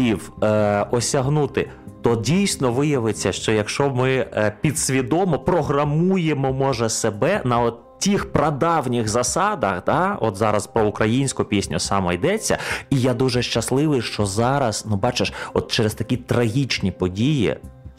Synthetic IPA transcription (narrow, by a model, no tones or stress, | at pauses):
iwɔsʲɐɦnut̪ɪ | t̪ɔdʲijsʲnɔʋɪjɐʋɪt͡sʲːɐʃt͡ʃɔjɐkʃt͡ʃɔmɪpʲid̪sʲʋʲid̪ɔmɔpɾɔɦɾɐmujemɔmɔʒɛsebɛnɐɔ | tʲixpɾɐd̪ɑwnʲɪxzɐsɑd̪ɐxd̪ɑɔt̪zɑɾɐspɾɔʊkɾɐjinʲsʲkʊpʲisʲnʲʊsɑmɔid̪ɛt͡sʲːɐ̰ijad̪uʒɛʃt͡ʃɐslˠɪʋɪjʃt͡ʃɔzɑɾɐznubɑt͡ʃeʃɔt̪t͡ʃɛɾest̪ɐkʲit̪ɾɐɦʲit͡ʃnʲipɔdʲijḭ